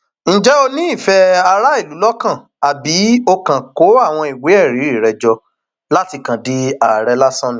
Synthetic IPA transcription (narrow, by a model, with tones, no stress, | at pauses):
ñ̩˨d͡ʒɛ˦o˧nĩ˦i˦˨fɛ˧a˧ɾa˦i˦˨lu˨˦lɔ˦kã˦˨ | a˨bi˨˦o˧kã˨ko˨˦a˦˨w̃ɔ̃˧i˨we˨˦ɛ˦˨ɾi˨˦i˦˨ɾɛ˨d͡ʒɔ˧ | la˦ti˧kã˨di˦a˨ɾɛ˧la˦sã˦nĩ˦˨